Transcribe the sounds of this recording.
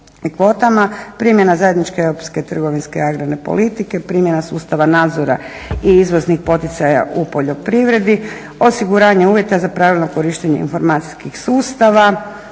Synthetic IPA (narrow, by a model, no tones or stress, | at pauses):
kʋo̞t̪amapɾimje̞nazajed̪nit͡ʃkeewɾopsket̪r̩ɡo̞ʋinskeaɡɾane̞po̞̰lit̪ike̞pɾimje̞nasuːst̪aʋanaːd̪zoɾa̰ | iizʋoznixpo̞t̪it̪saja̰ʔupo̞ʎo̞pɾiʋɾe̞d̪i | o̞siɡuɾaːɲe̞uːʋje̞t̪azapɾaːʋilʲˠno̞ko̞ɾiʃt̪eɲeḭnfo̞ɾmaːt̪si̥skixsuːst̪aʋa